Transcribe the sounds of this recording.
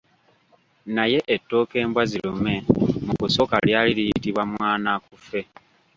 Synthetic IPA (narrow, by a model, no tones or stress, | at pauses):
naje̞ʔetːo̞ːke̞ːmbwazilume̞mukuso̞kaljaːlilijitiβwamwaːnakufe̞